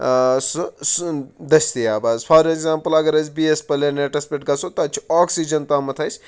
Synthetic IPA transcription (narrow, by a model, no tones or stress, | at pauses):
ssd̪ɐst̪ijaːbazpʰaːɾeɡzaːmpɐlɐɡɐɾɐsbiespɐleneʈɐspeʈ̚ɡɐsʰot̪ɐt͡ʃʰi̥ɔːksid͡ʒɐnt̪aːmɐt̪ʰɐjsʰʲ